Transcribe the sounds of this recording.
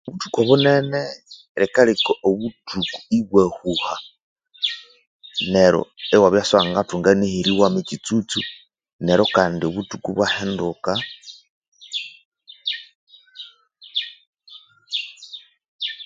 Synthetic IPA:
oβutu̥koβunene | ɾekalikoʔoβutʰukuiβwehuha | neɾo̞̰ewaβjasaŋɡatuŋɡanihiɾiwamicit͡sut͡su | neɾo̞kaːndioβutukuβwahenduka

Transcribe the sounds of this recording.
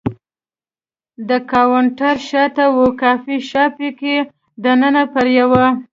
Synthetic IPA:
d̪əkɑwaɳʈaɾʃɑt̪awukɑfiʃɑpike | d̪ənənapəɾjawa

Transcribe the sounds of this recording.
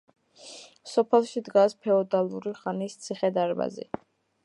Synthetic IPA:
sɔpʰɛlˠʃid̪ɡaspʰɛɔd̪alˠuɾiχanist̪sʰiχɛd̪aɾba̰zḭ

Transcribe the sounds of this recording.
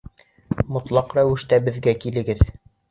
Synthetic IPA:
mŏt̪lˠɑqɾæwɘ̆ʃt̪æbɘ̆ðɡækilɘ̆ɡɘð

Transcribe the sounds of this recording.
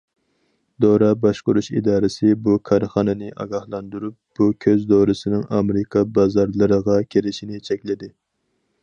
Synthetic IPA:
d̪oɾɑbɑʃqʊɾuʃḭd̪ɑːɾɪsɪbukʰɑɾχɑːnɨnɪʔɑ̰ɡɑhlˠɑnd̪uɾup̚b̥ukʲʰøzd̪oɾɨsɪnɪŋɑmɾɪkʰɑbɑzɑɾlˠɨɾəʁɑkʲʰeɾɪʃinɪt͡ʃʰɛkʲlɪd̪ɪ

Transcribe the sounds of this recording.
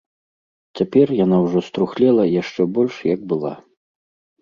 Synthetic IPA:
t͡sʲapʲɛrjanawʐɔst̪ɾuxlʲɛlˠɐjaʂt͡ʂɛbɔlʲʂjɐɡ̚bɨlˠa̰

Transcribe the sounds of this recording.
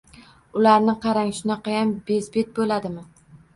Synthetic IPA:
ʊlaɾnɪqʰɑɾaŋʲʃʊnɑqʰɑjambezbet̪̚bolad̪ɪmɪ

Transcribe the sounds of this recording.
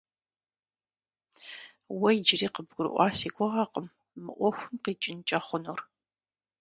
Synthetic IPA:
wɐjd͡ʒɪriːqəbɡʷʊɾɨ̰ʔʷɑːsiːɡʷʼɔʁɑqəmː | ɨ̰ʔʷɔxʷʊmqiːt͡ʃʼɪnt͡ʃʼɐχʷʊnur

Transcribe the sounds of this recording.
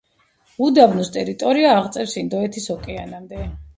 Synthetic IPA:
ud̪avnust̪ʼɛɾit̪ʼɔɾiaːʁt̪sʼɛfsind̪ɔɛt̪ʰisɔkʼɛanamd̪ɛ

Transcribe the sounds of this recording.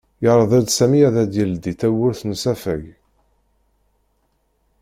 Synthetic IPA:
jəɾˤðˤæd̪sæmiæðæd̪jəld̪it̪æwʊɾθnsæfæ̰ʝ

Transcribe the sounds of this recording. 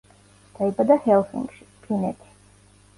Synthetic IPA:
d̪̥aibad̪ahɛlˠsḭŋɡʃi̥pʰinɛt̪ʰi̥

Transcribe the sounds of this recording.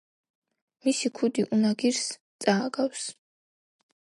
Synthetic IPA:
misikʰud̪iʔunaɡirs | t͡sʼaːɡaws

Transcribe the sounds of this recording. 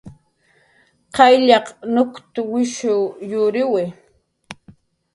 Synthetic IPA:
qɑjʎɑqnʊkt̪ʊwɪʃʊjʊɾɪwɪ

